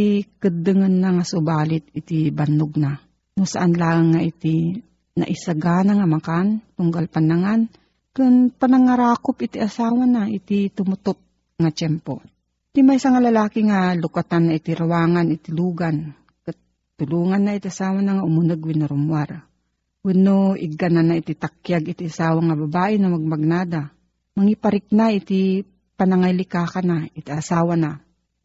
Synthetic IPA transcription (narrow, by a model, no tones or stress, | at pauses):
ikɨd̪ɨŋɐnːaŋasʊbaːlɪt̪̚ɪt̪ibanʊɡ̚na | nʊsa̰ʔanlaːaŋːaʔit̪i | na̰ʔɪsaɡaːnaŋamakant̪ʊŋɡalpanaŋan | kɨnpanɐŋaɾaːkopʔɪt̪iʔasaːwanaʔit̪it̪ʊmʊt̪ot̪̚ | ŋat͡ʃɛmpo̰ | t̪imajsɐŋalɐlaːkiŋalʊkat̪anːɐɪt̪ɪɾawaːŋanɪt̪ɪluːɡan | kat̪ | t̪ːʊluːŋanːait̪iʔasaːwanaŋaʔʊmʊnɨɡwɪnʊɾʊmwaɾ | wɪnoʔɪɡananaɪt̪it̪ak̚jaɡɪt̪iʔasaːwaŋɐbɐbaːʔɪnɐmɐɡ̚mɐɡ̚naːd̪a | mɐŋipɐɾɪk̚naʔɪt̪i | pɐnɐŋajlɪkaːkanaɪt̪iʔɐsaːwana